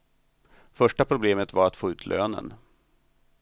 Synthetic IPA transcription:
fœʂʈapʰɾʊbleːmət̪vaɾat̪foːʉ̟ːt̪ʰlʔø̰ːnə̰n

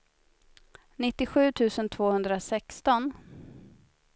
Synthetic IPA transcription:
nɪt̪ːɪɧʉ̟ːt̪ʰʉ̟ːsənt̪ʰv̥oːhɵnd̪ɾasɛkst̪ɔn

